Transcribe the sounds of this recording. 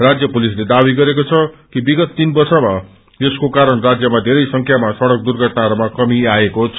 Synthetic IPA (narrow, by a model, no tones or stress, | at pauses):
rad͡zjʌpulisled̪abiɡʌɾekot͡sʰʌkibiɡʌt̪ːinbʌrsʌma | eskokaɾʌɳrad͡zjʌmad̪ʱeɾʌjsʌŋkʰjamasʌɽʌk̚d̪urɡʱʌʈnaʌɾmakʌmiaekot͡sʰ